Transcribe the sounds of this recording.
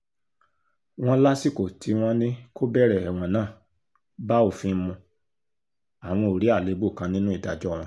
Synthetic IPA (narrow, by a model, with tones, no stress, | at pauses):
w̃ɔ̃˦la˦si˦˨ko˨tʰi˨˦w̃ɔ̃˦nĩ˦ko˦bɛ˦˨ɾɛ˨ɛ˨w̃ɔ̃˨˧nãː˦˨ | ba˦o˨fĩ˦˧˦mũ˧ | a˨w̃ɔ̃˧o˨ɾi˨˦a˦˨le˨˦bu˦˨kã˧˦nĩ˦nũ˦i˦˨da̰˨d͡ʒɔ˦˨w̃ɔ̃˨˧